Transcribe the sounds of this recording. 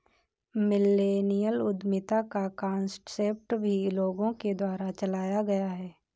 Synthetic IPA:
mɪlːeːnijəlʊd̪mɪt̪akakãːnsʈseːp̚ʈbʱiloːɡõked̪waːɾat͡ʃəlaːjaɡɐjaɦɛː

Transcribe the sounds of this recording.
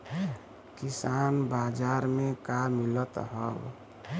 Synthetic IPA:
kisanbad͡ʒaɾmẽkamilət̪ɦəb

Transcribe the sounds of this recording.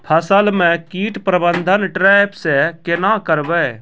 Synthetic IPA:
pʰəsəlmɛ̃kiːʈpɾəbə̃nd̪ʱənʈɾɛːjpʰsekenãːkəɾbɛ

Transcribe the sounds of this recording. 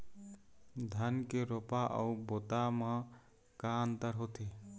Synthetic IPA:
d̪ʱənkeɾopaʔə̰ubot̪amə̃ | kant̪əɾɦot̪ʰi

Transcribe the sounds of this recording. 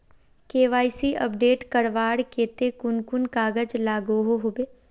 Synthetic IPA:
keːʋaːisiʔə̰pɖeːʈkəɽʋaːɽkeːt̪ekʊnkʊnkaːɡəd͡ʒlaːɡoɦoɦobeː

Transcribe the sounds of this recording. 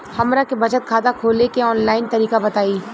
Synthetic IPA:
hɐmɾakebɐd͡ʒət̪̚kʰaːd̪akʰoːlekeɔːnlaːɪnt̪ɐɾiːkabɐt̪aːiː

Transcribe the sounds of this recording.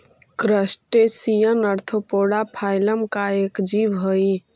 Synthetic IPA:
kɾəsʈesijənəɾt̪ʰopoɽapʰajləmkaekd͡ʒibɦoj

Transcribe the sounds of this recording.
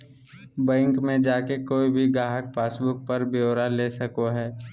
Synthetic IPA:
bɛ̃ːŋkmẽd͡ʒaːkekoːibʱiɡaːɦəkpaːsbʊk̚pəɾbeoːɾaleːsɐkoɦɛː

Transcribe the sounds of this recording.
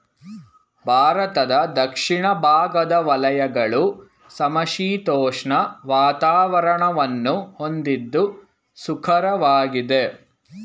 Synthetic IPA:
bʱaːɾɐt̪ɐd̪ɐd̪ɐkʂiɳɐbʱaːɡɐd̪ɐʋɐlɐjɐɡɐɭu | sɐmɐʃiːt̪ɔːʂɳɐʋaːt̪aːʋɐɾɐɳɐʋɐnːuhond̪id̪ːu | sukʰɐɾɐʋaːɡid̪e

